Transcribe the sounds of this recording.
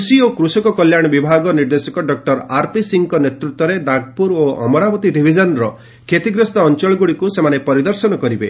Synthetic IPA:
siokɾusɔkɔkɔljaɽ̃ɔbibʱaɡɔniɾd̪esɔkɔɖɔk̚ʈɔɾaɾpisiŋkɔnet̪ɾut̪wɔɾeɖaɡpuɾoɔ̰mɔɾabɔt̪iɖibʱid͡ʒɔnɾɔ | kʰet̪iɡɾɔst̪ɔːnt͡ʃɔɭɔɡuɽikusemanepɔɾid̪ɔɾsɔnɔkɔɾibe

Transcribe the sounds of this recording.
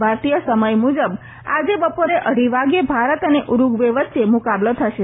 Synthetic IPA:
bʱaɾt̪ijəsəməjmud͡ʒəb | a̰d͡ʒebəpoɾeʔəɽ̤iʋaɡjəbʱaɾət̪əneʔuɾuɡʋeʋət̪ːʃemukablət̪ʰəʃe

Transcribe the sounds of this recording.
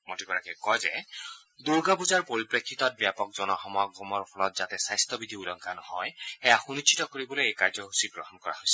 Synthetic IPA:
motikɔɹakɛkɔjzɛ | d̪uɹɡapuzaɹpoɹipɹekʰːit̪ɔt̚bjapɔk̚zɔnɔxɔmɔjɔɡɔmɔɹpʰɔlɔt̚zatɛsajst̪ʰɔbid̪ʱiulɔŋkanɔhɔjɛjaxunit͡ʃʰːitɔkoɹibɔlojejkaɹzɔɦusiɡɹɔhɔnkɔɹa̰ɦojsɛ̥

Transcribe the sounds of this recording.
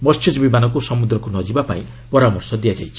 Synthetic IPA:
mʌst͡ʃʰid͡zbibanʌkosʌmud̪ɾɔkonʌd͡ʒibapaĩ | pɔɾamɔrsɔd̪ijad͡ʒa̰jkʰi

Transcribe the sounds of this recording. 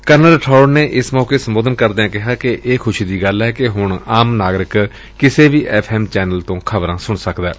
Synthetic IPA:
kəɾnəlʈʰɔːɖneːʔɪsmɔːkeːsəmboːd̪ənkəɾd̪eːãːkɪɦaːkɪʔʔeːkʰʊʃiːd̪iːɡəlɛːkɪɦʊɳaːmnaːɡɾɪk | kɪseːʋiːʔɛːpʰɛːmt͡ʃɛːnəlt̪õːkʰəbɾãːsʊɳsəkd̪ɛː

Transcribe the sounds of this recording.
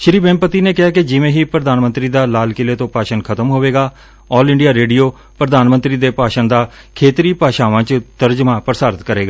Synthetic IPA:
ʃɪɾiːbẽːmpət̪iːneːkɪɦaːkɪd͡ʒɪʋẽːɦiːpɾəd̪aːnmə̃nt̪ɾiːd̪aːlaːlkɪleːt̪õːpaːʃənkʰət̪əmɦoːʋeːɡaː | ɔːlɪ̃ɳɖijaːɾeːɖijoː | pɾəd̪aːnmənt̪ɾiːd̪eːpaːʃə̃nd̪aː | kʰeːt̪ɾiːpaːʃaːʋãːt͡ʃt̪əɾd͡ʒmãːpəɾsaːɾɪt̪kəɾeːɡa

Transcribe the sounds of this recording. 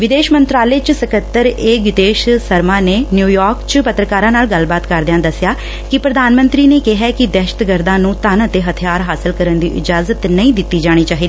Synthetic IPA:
ʋɪd̪eːʃmənt̪ɾaːleːt͡ʃsəkət̪ːəɾeːɡɪt̪eːʃsəɾmãːneːnjuːjɔːɾkt͡ʃpət̪ɾəkaːɾãːnaːlɡəlbaːt̪kəɾd̪eãːd̪əsɪjaː | kɪpɾəd̪aːnmə̃nt̪ɾiːneːkeɦɛːkɪd̪ɛːʃə̥t̪ɡəɾd̪ãːnũːt̪ənət̪eːɦət̪ʰɪjaːɾɦaːsɪlkəɾənd̪ḭːʔɪd͡ʒaːzət̪nəĩːd̪ɪt̪ːiːd͡ʒaːɽ̃iːt͡ʃaːɦiːd̪iiː

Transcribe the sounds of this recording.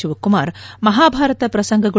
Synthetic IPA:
uʋɐkːumaːɾmɐɦaːbʱaːɾɐt̪ɐpɾɐsɐŋɡʱɐɡɐ

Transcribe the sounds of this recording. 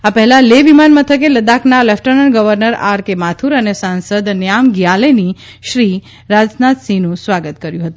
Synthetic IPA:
apɛɦɛlaleʋimanmət̪ʰək̬eləd̪akʰnalɛfʈənənɡəʋəɾnəɾaɾkemat̪ʰuɾənesansəd̪njamɡjaleni | ʃɾi | ɾad͡ʒnat̪sĩnũsʋaɡət̪kəɾjũɦət̪ũ

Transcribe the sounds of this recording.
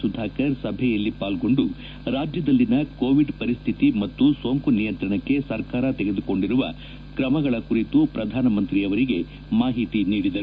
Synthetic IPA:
sud̪ʱaːkɐɾsɐbʱɛjɐlːipaːlɡo̞ɳɖu | ɾaːd͡ʒjɐd̪ɐlːinɐkoːʋiɖpɐɾist̪ʰit̪imɐt̪ːuso̞ːŋkunijɐnt̪ɾɐɳɐkːe̞sɐɾkaːɾɐt̪ɛɡe̞d̪uko̞ɳɖiɾuʋɐ̰ | kɾɐmɐɡɐɭɐkuɾit̪upɾɐd̪ʱaːnɐmɐnt̪ɾiɐʋɐɾiɡe̞ | maːɦit̪iniːɽid̪ɐɾ

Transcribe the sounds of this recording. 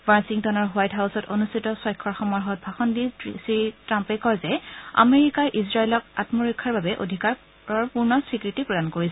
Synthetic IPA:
wasiŋtɔnɔɹɦwajtɦawsɔto̰nustʰitɔsɔjkʰːɔɹxɔmɔɹɦɔt̚bʱaxɔndisitɹampɛkɔjzɛa̰meɹikaʔizɹailɔk̚atmɔɹɔkʰːaɹbabɛʔo̰dʱikaɹ | ɔɹpuɹnɔsɹikɹitipɹɔdankoɹisɛ

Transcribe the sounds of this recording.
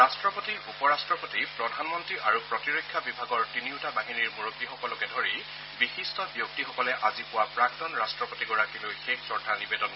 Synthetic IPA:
ɹastɹɔpotiɹupɔɹastɹɔpotipɹɔdʱanmɔntɹiʔaɹupɹɔtiɹojkʰːjabibʱaɡɔɹtiniʊtabaɦiniɹmuɹokbixɔkɔlɔkɛdʱoɹi | bixistɔbjuk̚tixɔkɔlɛʔazipʊwapɹak̚tɔnɹastɹɔpotiɡɔɹakilojxeksɔɹdʰʱanibedɔn

